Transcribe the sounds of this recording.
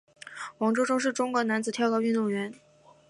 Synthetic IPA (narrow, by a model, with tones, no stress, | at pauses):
wɑ˧˥ŋʈ͡ʂo˥ʈ͡ʂo˥ʊʂ̬ɻ̩˥˩ʈ͡ʂʊ˥ŋkwɔ˧˥na˧˥nt͡sɹ̩˨˩t̪ʰjɑ˥ʊkɔ˧˥y˥˧nt̪ʊ˥˩ŋɥɛ˧˥n